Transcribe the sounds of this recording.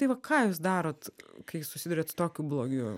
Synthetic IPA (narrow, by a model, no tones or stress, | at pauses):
t̪ɐɪʋɐkʰɑːjuːsd̪ɑːɾoːt̪kɐɪsʊsʲɪd̪ʊɾʲeːt̪t̪oːkʲuːblˠoːɡʲuː